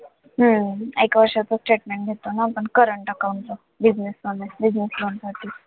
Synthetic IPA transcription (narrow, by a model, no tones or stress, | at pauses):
ɦəekʋəɾʂat͡sosʈeʈmẽɳʈ̚ɡʱet̪onapəɳkəɾəɳʈəkant̪o | bid͡ʑneslonebid͡ʑnislonsaʈʰiː